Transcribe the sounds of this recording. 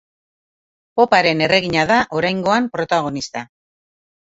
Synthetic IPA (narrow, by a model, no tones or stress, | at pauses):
po̞paɾe̞ne̞re̞ɣ̞iɲaðaʔo̞ɾajŋɡo̞ampɾo̞t̪aɣ̞o̞nist̪a